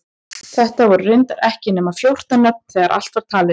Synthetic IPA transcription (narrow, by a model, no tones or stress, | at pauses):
θɛht̪avɔɾʏrʏɥnt̪aɾɛhcɪnɛmaðfjowr̥t̪anːœp̚n̥θɛːɣaɾʔa̰l̥t̪vaɾ̥t̪ʰaːlɪ